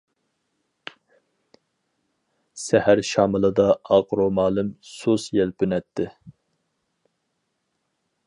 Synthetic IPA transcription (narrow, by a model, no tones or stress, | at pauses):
sɛhæɾʃɑːmɨlˠɨd̪ɑɑqɾomɑːlˠɪmsusjɛlpʰynɛt̪ʰːɪ